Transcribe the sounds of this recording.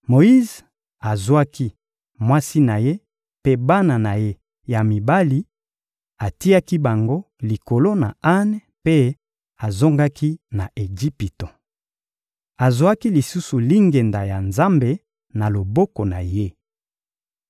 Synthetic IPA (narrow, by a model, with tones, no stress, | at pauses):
mo˨i˦z | a˨zwa˦ki˦ | mwa˦si˦na˨je˦ | pe˦ba˦na˨na˨je˦ | ja˨mi˨ba˦li˦ | a˨ti˦ja˦ki˦ba˨ŋɡo˦ | li˨ko˨lo˦na˨a˦n | pe˦ | a˨zo˦ŋɡa˦ki˦na˨ʔe˨ɡi˦pi˨to˨ | a˨zwa˦ki˦li˨su˦su˨li˦ŋɡe˨nda˨ja˨nza˦mbe˨ | na˨lo˨bo˦ko˨na˨je˦